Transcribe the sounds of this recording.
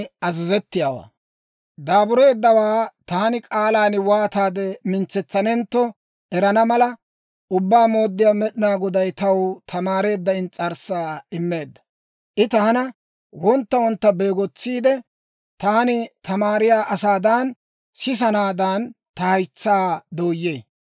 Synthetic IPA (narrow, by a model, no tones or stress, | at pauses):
ɐzɛzɛt̪ːɪjaːwa̰ː | d̪aːbʊɾe̞ːd̪ːɐwaːt̪aːnɪkʼaːlaːnɪwaːt̪aːd̪ɛmɪnt͡sːɛt͡sːɐnɛnt̪ːɔ | ɛɾɐnɐmɐlɐ | ʔʊbːaːmo̞ːd̪ːɪjaːmɛɗɪnaːɡɔd̪ɐjt̪ɐwt̪ʰɐmaːɾe̞ːd̪ːɐɪnt͡sʼɐɾsaːɪmːe̞ːd̪ːɐ̥ | ʔɪt̪ɐhɐnɐ | wɔnt̪ːɐwɔnt̪ːɐbe̞ːɡɔt͡sːiːd̪ɛ | t̪aːnɪt̪ɐmaːɾɪjaːʔɐsaːd̪aːn | sɪs̬ɐnaːd̪ɐnt̪ɐhɐjt͡sːaːd̪oːjːeː